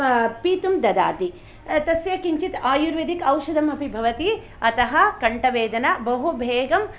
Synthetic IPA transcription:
piːt̪umd̪ɐd̪a̰ːt̪i | t̪ɐsjɐkiɲt͡ʃit̪aːjuɾʋed̪ikɐwʃɐd̪ɐmɐpibʱɐʋɐt̪i | ɐt̪ɐɦɐkɐɳʈɐʋeːd̪ɐnɐbɐɦubʱeːɡɐm

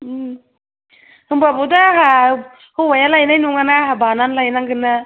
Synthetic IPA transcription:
ɯ | hɯmbabudaɦa | hɯwajalajnajnuŋanaɦabananlajnaŋɡɯna

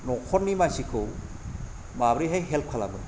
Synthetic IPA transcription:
nɔkʰɔɾnimajsikʰɯw | mabɾiɦajɦelp̚kʰalabɯn

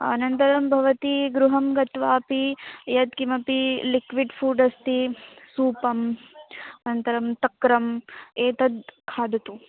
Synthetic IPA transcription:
ɐ̰nɐnt̪ɐɾɐmbʱɐʋɐt̪iɡɾuɦɐmɡɐt̪ʋaːpijɐd̪kimɐpilikʋiɖfʰuːɖɐst̪isuːpɐm | ɐnɐnt̪ɐɾɐmt̪ɐkɾɐmeːt̪ɐd̪kʰaːd̪ʱɐt̪u

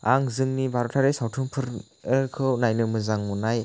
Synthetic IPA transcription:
aŋzɯŋnibaɾɔtʰaɾesawtʰɯmpʰɯɾ | ekʰɯwnajnɯmɯzaŋmunaj

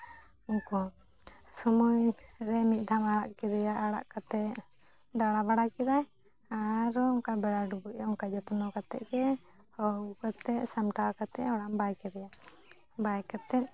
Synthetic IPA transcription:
uŋkɔ | sɔmujɾɛmit̪̚ˀd̪ʱamaɽaʔkɛd̪ɛjaʔaɽa̰ʔkat̪ɛ | d̪aɽabaɽakɛd̪aj | aɾɔŋkabɛɽaɖubuɛuŋkad͡ʒɔt̪nɔkat̪ɛ̰ʔkɛ | ɔukat̪ɛʔsamʈakat̪ɛɔɽambajkɛd̪ɛja | bajkat̪ɛʔ̪̚

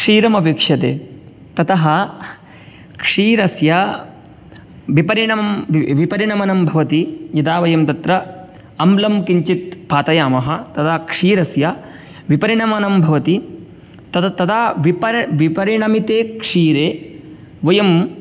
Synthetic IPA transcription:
kʂiːɾɐmɐbeːkʂɐd̪ḛː | t̪ɐt̪ɐɦɐ | kʂiːɾɐsjɐ | ʋipɐɾiɳɐmmʋipɐɾiɳɐmɐnɐmbʱɐʋɐt̪ijɐd̪aːʋɐjɐmt̪ɐt̪ɾɐ | ɐmlɐmkiɲt͡ʃit̪̚paːt̪ɐjaːmɐɦɐ̆t̪ɐt̪aːkʂiːɾɐsjɐ | ʋipɐɾiɳɐmɐnɐmbʱɐʋɐt̪i | t̪ɐt̪t̪ɐd̪aːʋipɐɾʋipɐɾiɳɐmit̪eːkʂiːɾeː | ʋɐjɐm

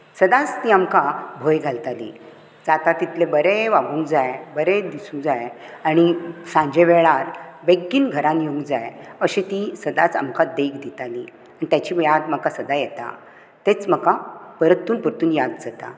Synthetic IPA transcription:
səd̪at͡st̪iːamkabʱojɡʱalt̪alḭ | d͡zat̪at̪it̪lebəɾeʋaɡũŋɡd͡zajbəɾed̪isũŋd͡zaj | aɽ̃isãɲd͡ʑeʋeɭaɾbeɡːiːnɡʱəɾãnjoŋɡd͡zajəɕit̪isəd̪at͡sa̰mkad̪ekʰd̪it̪aliː | aɽit̪jat͡ɕiːʋjad̪m̤əkasəd̪ajɛt̪a̰ | t̪et͡sməkapəɾət̪ːuːnpəɾt̪uːnjad̪d͡zat̪a̰

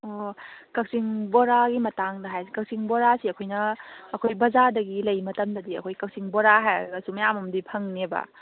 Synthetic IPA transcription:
okɐk̚siŋboɾaɡimɐtaŋdɐɦajsikɐk̚siŋboɾasiɐkʰojnɐːkʰojbɐzadɐɡilɐjmɐtɐmdɐdiɐ̰kʰojkɐk̚siŋboɾaɦajɡɐsumɐjamɐmdipʰɐŋnebɐ̰

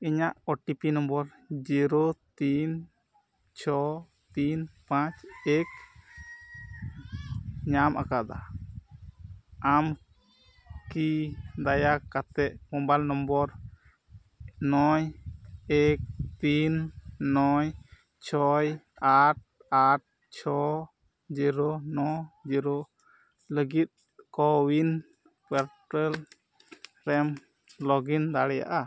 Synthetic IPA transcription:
iɲaʔɔʈipinɔmbɔɾ | d͡ʒiɾot̪in | t͡ʃʰɔ | t̪inpãt͡ʃɛk̚ | ɲamʔa̰kad̪a̰ | am | kid̪ajakat̪ɛʔ̚mɔ̃balnɔmbɔɾ | nɔjek̚t̪inːɔj | t͡ʃʰɔj | aʈ̚ | aʈ̚ | t͡ʃʰɔ | d͡ʒiɾɔnɔd͡ʒiɾo | ləɡit̪̚ | kɔwin | pəɾʈəl | ɾɛm | lɔɡind̪aɽɛja̰ʔa

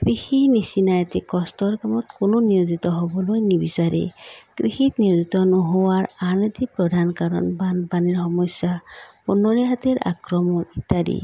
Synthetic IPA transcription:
kɾihinisinajt̪ikɔstɔɾkamɔt̪kononijozit̪ɔɦobɔlojnibisaɾḛkɾihit̪nijozit̪ɔnɔɦowaɹanit̪ipɾɔd̪ʱankaɾɔ̰nbanbaniɹhɔmɔsjapunɔɾiɦat̪eɹa̰kɾɔmɔnit̪aɾḭ

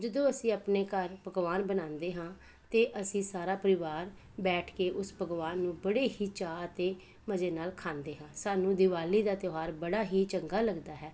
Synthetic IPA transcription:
d͡ʒəd̪õːəsĩːəpneːkəɾpəɡʋaːnbənãːnd̪eːɦãː | t̪eːʔəsĩːsaːɾaːpəɾɪʋaːɾ | bɛːʈʰkeːʔʊspəɡʋaːnːũːbəɽeːɦiːt͡ʃaːət̪eː | məd͡ʒeːnaːlkʰãːnd̪eːɦãːsaːnũːd̪ɪʋaːliːd̪aːt̪joːɦaːɾbəɽaːɦiːt͡ʃəŋɡaːləɡd̪aːɦɛː

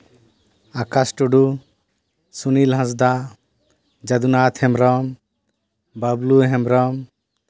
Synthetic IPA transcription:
akasʈuɖu | sunilɦãs̬d̪a | d͡ʒad̪unat̪ʰhɛmɾɔm | babluɦɛmɾɔm

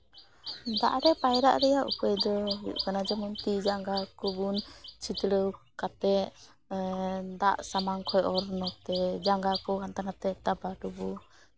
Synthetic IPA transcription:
d̪aʔɾɛpajɾa̰ʔɾɛjaʔṵpəjd̪ɔuʔkanad͡ʒamunt̪id͡ʒaŋɡakɔbunt͡ʃit̪ɾəw | kat̪ɛ | d̪a̰ʔsamaŋkʰɔjɔɾnɔt̪ɛd͡ʒaŋɡakɔkant̪anat̪ɛt̪abadubu

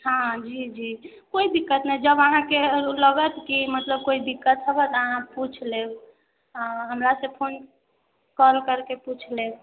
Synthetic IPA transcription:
hãd͡ʒid͡ʒi | koid̪ikːət̪nɛd͡ʒəbəɦãkeləɡət̪kimət̪ləb̚koid̪ikːət̪ɦəbət̪əɦãput͡ʃʰleb | ɦəmɾasẽpʰon | kɔlkəɾkeput͡ʃʰle

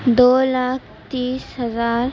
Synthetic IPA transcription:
d̪oːlaːk̚ʰ | t̪iːsɦɐzaːɾ

